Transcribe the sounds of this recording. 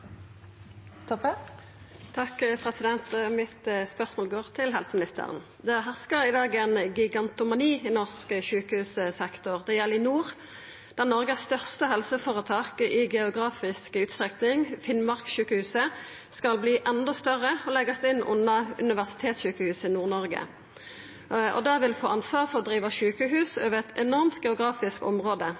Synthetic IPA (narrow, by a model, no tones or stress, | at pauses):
t̪ʰɔp | t̪ʰɑkːpʰʁɛsɪd̪ɛnt̪mɪt̪əspœʁsmoːlɡoːʁt̪ʰɪlɦɛlsəmɪnɪst̪ʰə̰ʁə̰n | d̪ɛɦæʁskəʁɪd̪ɑːɡɛnɡɪɡɑnt̪ʊmɑniːɪnɔʁskəʃʉːkəhʉːsəsɛkt̪ʊʁd̪ɛjɛlːɪnuːʁ | d̪̥æʁnɔʁɡəsst̪œʁst̪əhɛlsəfoːʁət̪ʰɑːkɪɡɛʊɡʁɑːfɪskəʉːt̪st̪ʁɛknɪŋfɪnmɑʁkʃʉːkəhʉːsə | skɑlbliːʔɛnd̪ɔst̪œʁəɔlɛɡəst̪ɪnʔʉ̰nːɑʉ̰nɪʋæʁsɪ̥t̪ʰeːt̪sʃʉːkəhʉːsɪnuːʁnɔʁɡə̰ | ɔ̰d̪ɑʋɪlfoːɑnsʋɑːʁfɔʁɔd̪ʁiːʋɑʃʉːkəɦʉːsoːʋəʁɛt̪ʰɛnɔʁmt̪ɡɛʊɡʁɑːfɪskɔ̰mʁoːd̪ə